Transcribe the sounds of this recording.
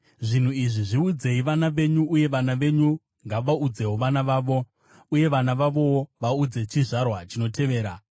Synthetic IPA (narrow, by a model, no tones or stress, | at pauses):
ʐin̤uiʐiʐiud͡ze̞iʋanaʋe̞ɲuːje̞ʋanaʋe̞ɲu | ŋɡaʋaud͡ze̞woʋanaʋaːʋo̞ | uje̞ʋanaʋaʋo̞woʋaud͡ze̞t͡ʃiʐarwat͡ʃino̞tʰe̞ʋe̞ːɾa